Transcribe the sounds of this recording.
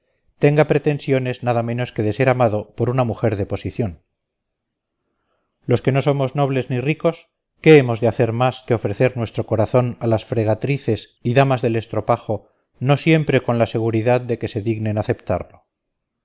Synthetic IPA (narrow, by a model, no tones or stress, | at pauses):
t̪e̞ŋɡapɾe̞t̪e̞nsjo̞ne̞znaðamẽ̞no̞ske̞ðe̞se̞ɾamaðo̞po̞ɾunamuxe̞ɾðepo̞siθjo̞n | lo̞ske̞no̞so̞mo̞zno̞β̞le̞zniriko̞s | ke̞emo̞zðeaθe̞ɾmaskeo̞fɾe̞θe̞ɾnwe̞st̪ɾo̞ko̞ɾaθo̞nalasfɾeɣ̞at̪ɾiθe̞s | iðamazðe̞le̞st̪ɾo̞paxo̞ | no̞sje̞mpɾe̞ko̞nlase̞ɣ̞uɾiðaðd̪e̞ke̞se̞ðiɣnenaθe̞pt̪a̰ɾlo̞